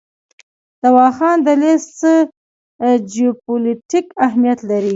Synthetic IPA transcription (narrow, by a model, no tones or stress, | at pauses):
d̪̥awɑxɑnd̪əlest͡sə | d͡ʒijopolitikaɦmijat̪laɾi